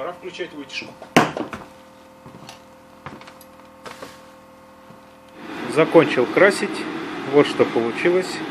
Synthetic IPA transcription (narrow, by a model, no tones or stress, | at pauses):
ɐɾafklʲʉt͡ɕætʲvɨtʲɪ̥ʂkʊ̥ | zɐko̞nʲt͡ɕɪlˠkɾasʲɪtʲvo̞t̪ʂt̪o̞pəlˠʊt͡ɕilˠəsʲ